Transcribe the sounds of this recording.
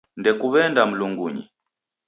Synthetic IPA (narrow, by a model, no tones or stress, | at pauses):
ndɛkuβɛndam̩luŋɡuɲḭ